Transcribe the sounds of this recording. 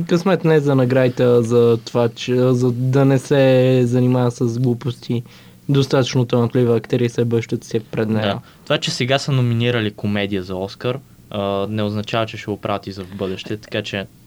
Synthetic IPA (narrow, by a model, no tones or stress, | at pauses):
kəsmɛt̪nɛzd̪ɐnɐɡɾait̪ɛzɐt̪ovat͡ʃɛzɐd̪ɐnɛsɛzɐnimavəsəzɡlˠupost̪ʰi | d̪ost̪at̪ə̥t͡ʃnot̪ənət̪livəːkt̪ɛɾiəsɛbəʃt̪ət̪sɛpɾɛd̪nɛjə̰t̪ovat͡ʃɛsɛɡasɐnominiɾəlikomɛd̪ijəzɐɔskəɾ | ənɛoznɐt͡ʃavət͡ʃɛʃɛɡopɾʔavət̪izɐvbɤd̪ɛʃt̪ɛt̪ɐ̥kat͡ʃɛ